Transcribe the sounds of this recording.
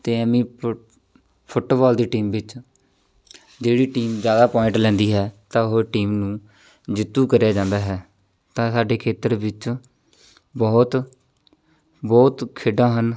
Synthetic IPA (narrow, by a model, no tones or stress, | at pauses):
t̪eːɛmĩː | pʰʊʈbɔːld̪iːʈiːmʋɪt͡ʃ | d͡ʒeːɽiːʈiːmd͡ʒjaːd̪aːpɔːɪ̃ɳʈlɛ̃ːnd̪iːɦɛːt̪ãːʊɦoʈiːmnũː | d͡ʒɪt̪ːuːkəɾjaːd͡ʒãːnd̪aːɦɛː | t̪ãːsaːɖeːkʰeːt̪əɾʋɪt͡ʃ | bɔːt̪ | bɔːt̪kʰeːɖãːɦən